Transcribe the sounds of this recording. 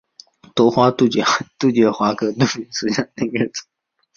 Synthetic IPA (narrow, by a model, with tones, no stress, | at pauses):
t̪wɔ˧˥xwa˥t̪u˥˩t͡ɕt̪u˥˩t͡ɕɥɛ˧˥xwa˧˥kɤ˧˥nu˥˩i˧˥sɹ̩˥˩ɕɑ˥˩ŋnə˥˧ɻə˥˩t͡s